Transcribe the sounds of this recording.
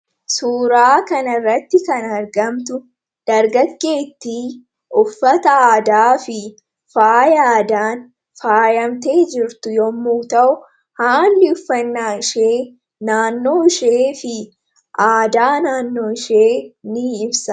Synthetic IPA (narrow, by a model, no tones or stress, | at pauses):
suːɾaːkɐnɐrːɐt̪ːɪkɐnɐɾɡɐmt̪ʊ | d̪̥ɐɾɡɐɡːe̞ːt̪ːiː | ʔʊfːɐt̪ɐaːd̪aːfɪ | faːjaːd̪aːn | faːjɐmt̪e̞ːd͡ʒɪɾt̪ʊjɔmːuːt̪ɐʔʊ | haːnlɪʊfːɐnːaːʃeː | naːnːo̞ːɪʃeːfɪ | ʔaːd̪aːnaːnːoːɪʃeːnɪɪbsɐ